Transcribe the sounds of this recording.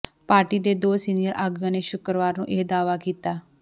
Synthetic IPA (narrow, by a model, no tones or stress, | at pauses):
paːɾʈiːd̪eːd̪oːsiːnijəɾaːɡjãːneːʃʊkɾəʋaːɾnṵ̃ːʔeːd̪aːʋaːkiːt̪aː